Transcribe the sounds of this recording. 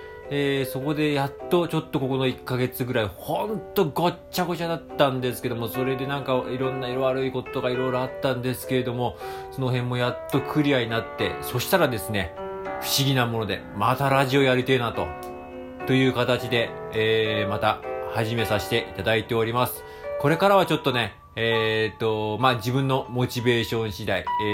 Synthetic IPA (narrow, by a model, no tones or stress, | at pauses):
eːso̞ko̞d̪e̞jat̪ːo̞t͡ɕo̞t̪ːo̞ko̞ko̞no̞ikːaɡe̞t͡sɨɡɯ̟ɾaihõ̞nt̪o̞ɡo̞t͡ɕːaɡo̞t͡ɕad̪at̪ːãnd̪e̞sɨ̥ke̞d̪o̞mo̞so̞ɾe̞d̪e̞nãŋkaiɾõ̞nːaiɾoβaɾɯiko̞t̪o̥t̪oɡaiɾo̞iɾo̞at̪ːãnd̪e̞sɨ̥ke̞ɾe̞d̪o̞mo̞so̞no̞ɦẽ̞mːo̞jat̪ːo̞kʰɯ̟ɾʲiaɲ̟inat̪ːe̞̰so̞ɕi̥t̪aɾad̪e̞sɨne̞ɸɯ̟̥ɕiɡʲinamo̞no̞d̪e̞̰mat̪aɾaʑio̞jaɾʲit̪eːnat̪o̞ | t̪o̞jɯ̟ːkat̪at͡ɕid̪e̞ː | mat̪ahaʑime̞saɕi̥t̪e̞ʔit̪ad̪ait̪e̞o̞ɾʲimasɨ̥ | ko̞ɾe̞kaɾaβ̞at͡ɕo̞t̪ːo̞ne̞ | t̪ːo̞mad͡ʑibɯ̟̃nːo̞mo̞t͡ɕibe̞ːɕõ̞ɰ̃ɕid̪ai